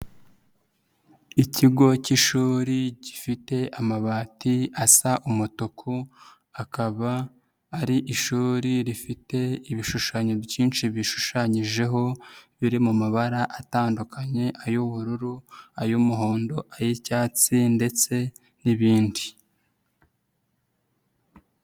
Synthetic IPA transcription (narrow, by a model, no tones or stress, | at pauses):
iciɡo̞ciʃuːɾiɟifite̞ʔamaβaːtiasaʔumutukʰu | akaβaː | ɾiʔiʃuːɾiɾifite̞iβiʃuʃaːɲo̞βjiːnʃiβiʃu̥ʃaɲiʒe̞ɦo̞βiɾimumaβaɾaʔataːndukaɲe̞ʔajuβuɾuɾuajumuɦo̞ːndo̞ʔajecaːt͡sinde̞t͡se̞ | niβiːndi